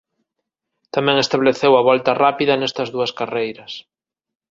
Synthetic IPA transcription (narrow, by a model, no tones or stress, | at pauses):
t̪amɛ̃ŋest̪aβleθewɐβɔlt̪ɐrapiðɐnɛst̪ɐzðuɐskarejɾɐs